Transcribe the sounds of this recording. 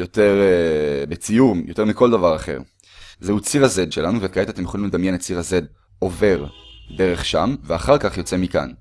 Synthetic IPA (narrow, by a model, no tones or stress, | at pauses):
jo̞t̪eʁbet͡sijumjo̞t̪e̞ʁmiko̞ld̪avaʁaχe̞̰ʁ | zeut͡siʁaze̞d̪ʃelanuvetkaetatemjeχolimled̪amjenett͡siʁaze̞d̪ | o̞ve̞ʁd̪e̞ʁeχʃa̰mveaχaʁkaχjo̞t͡se̞mika̰n